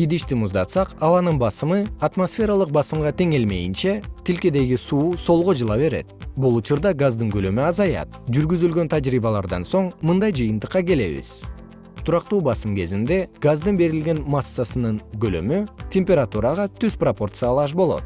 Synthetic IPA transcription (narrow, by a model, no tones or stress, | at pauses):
id̪iʃt̪imuzd̪ɑt̪sɑqɑlˠɑnɯnbɑsɯmɯat̪mosfʲe̞ɾalˠɯq̚bɑsɯmʁɑt̪ʰe̞ŋe̞lme̞̰jint͡ʃe̞t̪ʰilkʲed̪e̞ɡisuːso̞lˠʁo̞d͡ʒɯlˠɑβe̞ɾe̞̰t̪̚bulˠut͡ʃuɾd̪ɑɡazd̪ɯŋɡølømyɑzɑjɑ̰t̪̚d͡ʒyɾɡyzylɡø̞nt̪ʰad͡ʒɾiːβɑlˠɑɾd̪ɑ̰nso̞ɴmɯnd̪ɑjd͡ʒɯjɯnt̪ɯqːɑke̞le̞̰βḭz̥ | t̪ʰuɾɑqt̪uːbɑsɯmke̞zind̪e̞ɡ̥azd̪ɯnbe̞ɾilɡʲe̞nmasːasɯnɯŋɡølø̰mytʲe̞mʲpʲe̞ɾat̪uɾɑʁɑt̪ʰyzpropo̞rt̪sɨalˠɑʃ̬bo̞lˠo̞̰t̪̚